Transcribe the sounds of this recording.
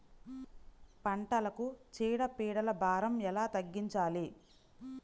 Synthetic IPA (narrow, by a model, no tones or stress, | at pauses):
pɐɳʈɐlɐkut͡ʃiːɽɐpiːɽɐlɐbʱaːɾɐmɛlaːt̪ɐɡːiɲt͡ʃaːli